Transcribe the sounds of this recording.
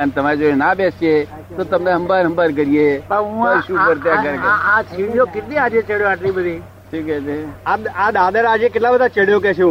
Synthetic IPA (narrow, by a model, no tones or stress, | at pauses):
ənt̪əmaːɾed͡ʒoenabesije | t̪ot̪əmneɦəmbaːɾɦə̃mbəːɾk̬əɾiebaũaɪʃuːkəɾt̪eaɡəɾkəãt͡ʃʰijokɪt̪nĩaːd͡ʒẽt͡ʃeɽjoaʈlĩːbəd̪ʱiː | ʈʰiːkɛt̪eaaːɗ̪aːd̪əɾaːd͡ʒekɪʈlabəd̪at͡ʃeɽjok̬ɛt͡ʃʰː